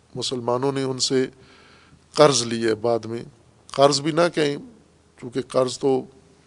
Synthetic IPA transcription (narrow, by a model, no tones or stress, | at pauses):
mʊsəlmaːnõneʊnse | qɐɾzliɛbaːd̪mḛ̃ | qɐɾzbʱinakɐɦẽ | t͡ʃũːkeqɐɾzt̪o